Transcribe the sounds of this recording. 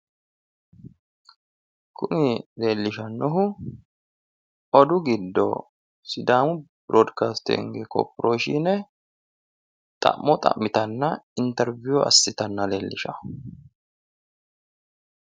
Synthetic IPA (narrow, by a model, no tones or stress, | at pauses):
kʰʊnɪle̞ːlːɪʃɐnːɔɦʊ | ɔd̪ʊɡɪd̪ːɔ̰ | sɪd̪aːmʊbɾɔːd̪kaːst̪ɪ̰ŋɡɛkɔ̰pːɾʔoːʃinɛ | t̪ʼɐ̰ʔmːɔt̪ʼɐ̰mːɪt̪ɐnːɐɪnt̪ɛɾvuɐ̰sːɪt̪ɐnːɐle̞ːlːɪʃɐ